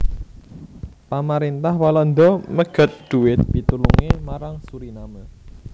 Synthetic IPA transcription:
pamaɾint̪ahwalɔnd̪ɔməɡ̥ə̤t̪̚d̪̥ṳɪt̪̚pit̪ulṵŋemaɾaŋsuɾinamə

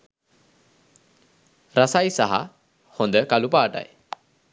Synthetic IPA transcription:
ɾasajsaɦa̰ | hond̪əkalupaːʈa̰j

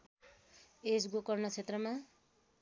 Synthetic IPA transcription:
esɡokʌrnʌt͡sʰet̪rʌma

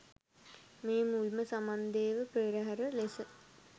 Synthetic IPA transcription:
meːmulməsamand̪eːʋəpɾeːɾəɦaɾəlesə

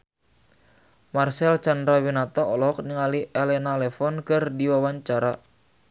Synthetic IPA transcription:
marsɛlt͡ʃandɾawinat̪ɔɔlɔk̚niŋaliʔelɛnalɛfɔnkɨrdiwawaɲt͡ʃaɾa

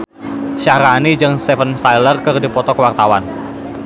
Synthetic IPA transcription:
ʃaɾanid͡ʒɨŋst̪ɛfənst̪ajlərkərdipɔt̪ɔkəwart̪awan

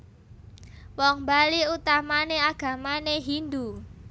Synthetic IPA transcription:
wɔŋbaliut̪amaneaɡ̥a̤maneɦind̪u

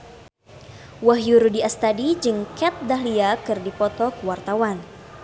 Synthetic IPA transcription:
waɦjuɾudiast̪adid͡ʒɨŋkɛt̪̚daɦliakɨrdipɔt̪ɔkəwart̪awan

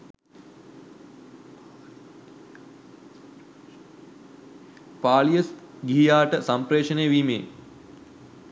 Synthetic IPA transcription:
paːlijəs | ɡiɦijaːʈəsampɾeːʂənejəʋiːmḛː

